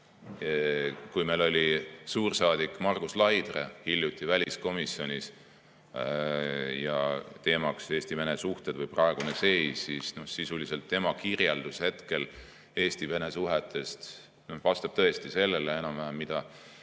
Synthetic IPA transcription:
kujmejlo̞lʲisuːrsɑːd̪̥ikːˑmɑrɡ̥uslɑjd̪̥rḛhiljut̪ːˑivælʲisko̞misjo̞nʲis | jɑ̰t̪e̞ːmɑkse̞ːst̪ive̞nesuht̪e̞d̪̥vɤjprɑe̞ɡ̥unese̞jsːisno̞hsisulise̞lt̪ːe̞mɑkirjeld̪̥ushe̞t̪ke̞l | e̞ːst̪ive̞ne̞suɦet̪ːˑe̞st̪ | nohvɑst̪ɑb̥̚t̪ɤ̞e̞st̪ise̞lːelee̞nɑmvæɦæmmːid̪̥ɑ

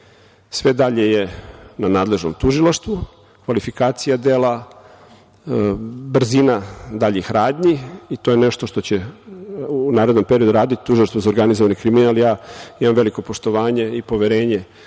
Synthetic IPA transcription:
sʋed̪aʎejenanaːd̪le̞ʒno̰mt̪uʒilˠaʃt̪ʋu | kʋalifikaːt̪sijad̪eːla | br̩zinad̪aʎixɾaːd̪ʲɲiit̪o̞ːjeneʃt̪o̞ʃt̪o̞t͡ɕe | unaːɾed̪nompeɾio̞d̪uɾaːd̪it̪i̥t̪uʒilˠaʃst̪vozaoɾɡanizoanekɾiminalijaːimamʋe̞liko̞poʃt̪oʋaːɲe̞ipo̞ʋeɾe̞ːɲe

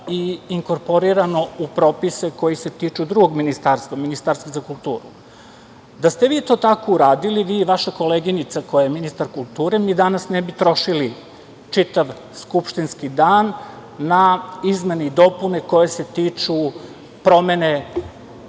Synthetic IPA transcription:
iːŋko̞ɾpo̞ɾiɾano̞upɾo̞ːpise̞ko̞jise̞t̪it͡ʃud̪ɾuɡoɡminist̪aːɾst̪vʋaminist̪aːɾst̪ʋazakulˠt̪ṵːɾṵ | d̪ast̪eʋiːt̪o̞ːt̪akouɾaːd̪iliʋiːʋaʃako̞leɡinit̪sako̞jajeminist̪aɾkulˠt̪uːɾenid̪anasnebit̪ɾo̞ʃili | t͡ʂit̪aʋ | skupʃt̪inskid̪aːnː | aizme̞neid̪o̞pune̞ko̞jese̞t̪iːt͡ʂu | pɾo̞me̞ne

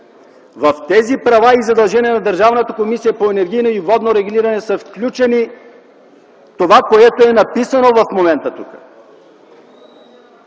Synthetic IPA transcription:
vɐft̪ɛzipɾɐvaizɐd̪ɐlˠʒɛniɛnɐd̪əɾʒavnət̪əkomisijəpoɛnɛɾɡ̟ijnəivɔd̪noɾɛɡuliɾɐnɛsəfklʲut͡ʃɛni | t̪ovakoɛt̪oɛnɐpisənovɐfmomɛnt̪ət̪ukə̥̰

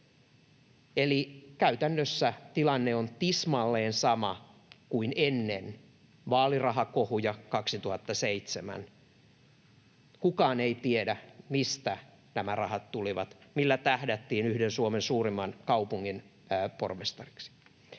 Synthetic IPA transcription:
elikæyt̪ænːøsːæt̪ilɑnːeont̪ismɑlːeːnsɑmɑkuinenːen | ʋɑːlirɑɦɑkohujɑkɑksit̪uhɑt̪ːɑseit̪semæ̰n | kukɑːneit̪iedæmist̪æ | næmærɑhɑt̪t̪uliʋɑ̰t̪milːæt̪æhdæt̪ːiːnyhdensuomensuːrimːɑnkɑupuŋːin | po̰rmest̪ɑri̥ksi̥

